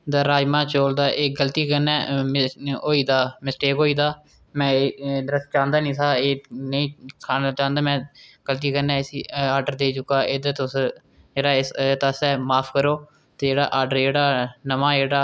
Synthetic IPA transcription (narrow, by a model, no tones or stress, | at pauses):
d̪aːɾaːd͡ʒmãːt͡ʃoːld̪aːʔeːɡəlt̪iːkənɛːmoːiːd̪aːmɪsʈeːkoːiːd̪aː | mɛ̃ːd̪əɾəs̚t͡ʃãːnd̪aːnĩːt̪ʰaːeːnəĩːkʰaːnat͡ʃãːnd̪aːmɛ̃ːɡ̥əlt̪̬iːkənɛ̃ːsiːaːɖəɾd̪eːt͡ʃʊkːaːɪd̪t̪ʊs | d͡ʒeːɽaːɪt̪əsɛːmaːpʰkəɾoː | t̪eːd͡ʒeːɽa̰ːʔaːɖəɾd͡ʒeːɽaːnəmãːd͡ʒeːɽaː